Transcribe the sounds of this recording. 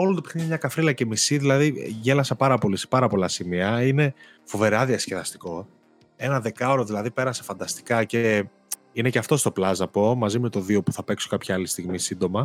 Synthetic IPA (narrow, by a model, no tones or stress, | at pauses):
o̞lont̪upexniɲɐmɲɐkɐfɾilɐce̞misiðilɐðiʝe̞lɐsɐpɐɾɐpo̞lise̥pɐɾɐpo̞lɐsimiɐine̞ | fo̞ve̞ɾɐðiɐsceðɐst̪i̥ko̞ | e̞nɐðe̞kɐo̞ɾoðilɐðipe̞ɾɐsefɐnd̪ɐst̪i̥kɐce̞ | ineceɐft̪o̞st̪o̞plɐzɐpo̞mɐzime̞t̪o̞ðio̞pu̥θɐpe̞kso̥kɐpçɐɐlist̪iɣmisind̪o̞mɐ